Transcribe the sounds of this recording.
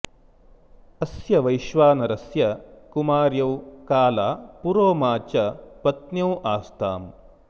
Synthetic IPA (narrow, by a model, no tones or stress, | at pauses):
ɐsjɐʋɐjʃʋaːnɐɾɐsjɐkumaːɾjɐwkaːlaːpuɾoːmaːt͡ʃɐpɐt̪njɐwʔaːst̪ʰaːm